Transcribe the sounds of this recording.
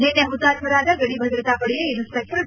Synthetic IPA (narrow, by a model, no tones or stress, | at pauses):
lenːeɦɐmut̪aːɾmɐɾaːd̪ɐɡɐɽibʱɐd̪ɾɐt̪aːpɐɽijɐed̪uspek̚ʈɐɾ